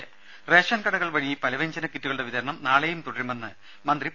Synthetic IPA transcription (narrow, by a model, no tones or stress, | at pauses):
reːʂɐnkɐɽɐɣɐɭʋɐɻipɐlɐʋeɲd͡ʑɐnɐkːitːuɣɐɭɨɽeʋid̪ɐɾɐɳɐmnaːɭejumt̪uɽɐɾumenːɨ | mɐnd̪ri